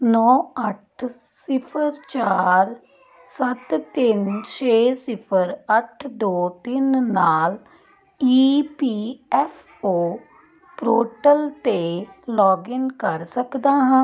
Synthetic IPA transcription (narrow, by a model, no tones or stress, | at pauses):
nɔːəʈʰ | sɪpʰəɾt͡ʃaːɾ | sət̪t̪ɪnt͡ʃʰeːsɪpʰəɾəʈʰd̪oːt̪ɪnːaːl | iːpiːɛːfʰ | oː | pɾoːʈəlt̪eːlɔːɡɪnkəɾsəkd̪aːɦãː